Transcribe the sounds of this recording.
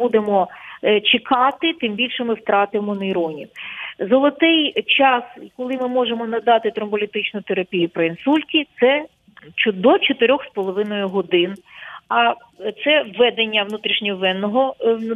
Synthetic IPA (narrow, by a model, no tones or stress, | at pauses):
ud̪emɔt͡ʃɪkɑt̪ɪt̪ɪmbʲilʲʃɛmɪwt̪ɾɑt̪ɪmɔnɐiɾɔnʲḭwzɔlˠɔt̪ɪjt͡ʃɑskɔlˠɪmɪmɔʒemɔnɐd̪ɑt̪ɪt̪ɾɔmbɔlʲit̪ɪt͡ʃnʊt̪eɾɐpʲijupɾɔinsulʲtʲit̪sɛ | t͡ʃʊd̪ɔt͡ʃɔt̪ɪɾʲɔxspɔlˠɔʋɪnɔjʊɦɔd̪ɪnɐ | t̪sɛʋːɛd̪enʲːɐʋnut̪ɾʲiʃnʲɔʋɛnːɔɦɔ